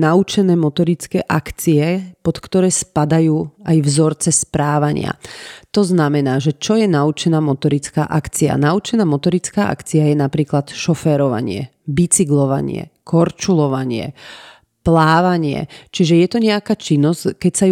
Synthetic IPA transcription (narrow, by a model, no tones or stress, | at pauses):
naut͡ʃɛnɛːmɔt̪ɔɾit͡skɛːʔakt͡siɛpɔt̪kt̪ɔɾɛːspad̪ajuːajvzɔɾt͡sɛspɾaːʋaɲɪ̰a̰t̪ɔznamɛnaːʒɛt͡ʃɔjɛnaut͡ʃɛnaːmɔt̪ɔɾit͡skaːʔakt͡sia̰naut͡ʃɛnaːmɔt̪ɔɾit͡skaːʔa̰kt͡siajɛnapɾiːklat̪ʃɔfɛːɾɔʋa̰ɲɪɛ̰ | bit͡siɡlɔʋa̰ɲɪɛ̰kɔɾt͡ʃulɔʋaɲɪɛ̰ | plaːʋaɲɪɛ̰t͡ʃiʒɛjɛt̪ɔɲɛakaːt͡ʃinːɔzkɛcsaj